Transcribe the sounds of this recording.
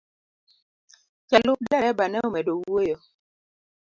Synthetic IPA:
kɛlʊk̚dɛɾɛbanɛomɛdowojɔ

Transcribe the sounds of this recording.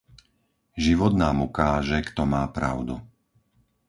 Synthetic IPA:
ʒiʋɔt̪naːmukaːʒɛkt̪ɔmaːpɾa̰ʊd̪u

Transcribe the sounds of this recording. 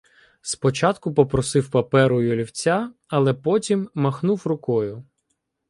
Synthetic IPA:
spɔt͡ʃɑt̪kʊpɔpɾɔsɪwpɐpɛɾʊjʊlʲiwt͡sʲa | ɐlˠɛpɔtʲimːɐxnuwrʊkɔjʊ

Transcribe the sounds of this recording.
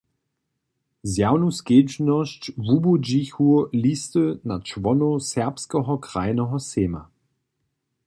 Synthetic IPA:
zjaʊnusɡ̥eːd͡ʒnɔʃt͡ʃvubod͡ʒiçuliːstənat͡ʃvɔnosɛɐpskəʁɐkʁ̥aɪnəʁɐseːma̰

